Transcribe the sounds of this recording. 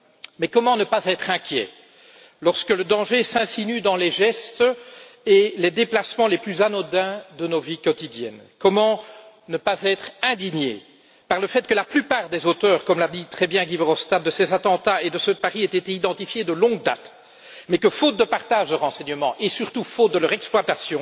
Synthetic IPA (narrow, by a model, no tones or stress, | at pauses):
mɛkɔmɑ̃nəpazɛt̪χɛ̃kʲjɛ̰ | lɔʁskələd̪ɑ̃ʒesɛ̃sinyd̪ɑ̃lɛʒɛst̪ | eled̪eplasmɑ̃leplyzanɔd̪ɛ̃d̪ənovikɔt̪id̪jɛ̰nkɔmɑ̃ | nəpazɛt̪χɛ̃d̪iɲjḛ | paʁləfɛt̪̚kəlaplypaːʁd̪ezot̪œːʁkɔmlad̪it̪χɛbjɛ̃ɡivɔʁɔfst̪at̪̚d̪əsɛzat̪ɑ̃t̪aed̪əsəpaʁiɛt̪et̪eid̪ɑ̃t̪ifjed̪əlɔ̃ɡ̚d̪a̰t̪ | mɛkəfot̪̚d̪əpaʁt̪aːʒləʁɑ̃sɛɲəmɑ̰̃ʔesyʁt̪ufot̪̚d̪əlœʁɛksplwat̪asjɔ̃